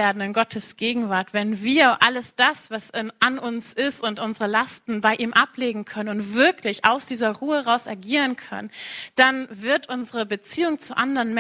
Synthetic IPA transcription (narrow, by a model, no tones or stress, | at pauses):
eːɐdn̩ɪnɡɔtʰəsɡ̥eːɡŋ̩vaɐtv̥ɛnviːɐʔaləsd̥asv̥asʔanʊnsɪstʊntʔʊnzəʁəlastn̩baɪʔiːmʔapleːɡŋ̩kʰœnənʊntv̥ɪɐklɪçʔa̰ʊsd̥iːzɐʁuːəhɛʁaʊsaɐɡiːʁ̞ənkʰœ̰nənd̥anvɪɐtʔʊnzəʁəbət͡siːʊŋt͡suʔandəʁənmɛ